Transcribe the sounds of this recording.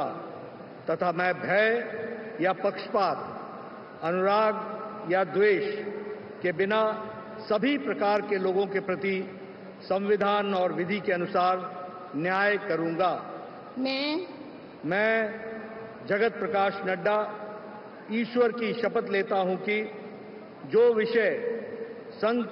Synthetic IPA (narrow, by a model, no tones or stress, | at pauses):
t̪ɐt̪ʰamɛ̃ːbʱɛː | japɐkʃpaːt̪ | ɐnʊɾaːɡ̪jad̪weːʃ | kebɪna | sɐbʱipɾɐkaːɾkeloːɡõkepɾɐt̪i | sɐ̃mʋɪd̪ʱaːnɔːɾʋɪd̪ʱikeɐnʊsaːɾ | njaːjkɐɾũːŋɡaː | mɛ̃ː | mɛ̃ː | d͡ʒɐɡət̪̚pɾɐkaːʃnɐɖːa | iːʃʋəɾkiʃɐpət̪leːt̪aɦũki | d͡ʒoːʋɪʃəɪ | sɐ̃ŋ